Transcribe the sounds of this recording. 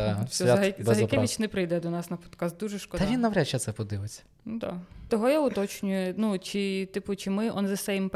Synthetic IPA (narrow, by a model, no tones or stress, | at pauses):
sʲɔzɐɦɐkʲɛʋʲit͡ʃnɛpɾɪjd̪ɛd̪ɔnɑsnɐpɔ̥t̪kɑst̪̚d̪uʒɛʃkɔd̪ɐʋʲinːɐʋɾʲat͡ʃɛt̪sɛpɔd̪ɪʋɪt͡sʲːɐ̥ | nd̪ɑ̰t̪ɔɦɔjaʊt̪ɔt͡ʃnʲʊjʊnut͡ʃɪt̪ɪpʊt͡ʃɪmɪʔɔnzɐsɛjɪmp